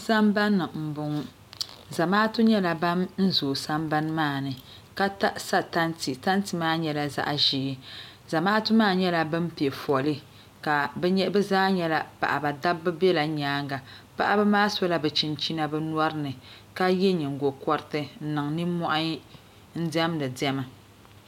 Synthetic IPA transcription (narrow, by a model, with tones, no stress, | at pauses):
sa˦mba˦nːɨ˨m̩˨bʊ˨ŋ˦ | za˨maː˦tu˦ɲɛ˦la˨ba˦mn̩˦zoː˨sa˦mba˦nmaː˦˨nɨ˨ | ka˦ta˦ʔsa˦ta˦nti˨ta˦ntɨ˨maː˦ɲɛ˦la˨za̰˦ʔʒiː˨˦ | za˨maː˦tu˦maː˦˨ɲɛ˦la˨bɨ˦mpi˨e˨fɔ˨lɨ˦ | ka˨bɛ˦ɲɛ˦bɛ˦zaː˦ɲɛ˦la˨pa̰˨ʔa˨ba˨da˦bːɨ˦bɛ˦la˨ɲaː˨˦ŋɡa˨ | pa̰˦ʔa˦bɛ˦maː˦sɔ˦la˦bɛ˨t͡ʃi˨nt͡ʃi˦na˦bɛ˦n˦ɔ˦ɾɨ˦nɨ˨ | ka˦jɛ˦ɲɨ˨ŋ˨ɡo˨kɔ˦ɾɨ˦tɨ˦n̩˦nɨ˨ŋnɨ˦mɔ˦ʔa˦ɲ˦ | n̩˦dɛ˦mdɨ˨dɛ˦ma˨